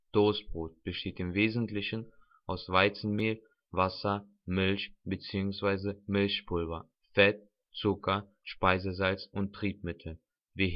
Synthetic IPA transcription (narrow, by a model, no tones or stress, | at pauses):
d̥oːsb̥ʁoːt̚b̥əʃteːtɪmveːzn̩tlɪçn̩ | ʔaʊsv̥aɪt͡sn̩meːl | vasɐ | mɪlçb̥ət͡siːʊŋsv̥aɪzəmɪlçpʰʊlvɐ | fɛt̚ | t͡sʊkɐ | ʃpaɪzəzalt͡sʊntʰːʁ̥iːpmɪtʰl̩ | viːɐ